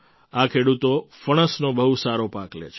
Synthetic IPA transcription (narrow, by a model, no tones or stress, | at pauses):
akʰeɽut̪ofəɽ̃əsnobəɦusaɾopaklḛt͡ʃʰ